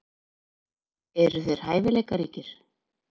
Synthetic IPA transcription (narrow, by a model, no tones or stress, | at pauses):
ɛɾʏθœɥɾ̥haːjvɪleːjkaɾiːcɪɾ̥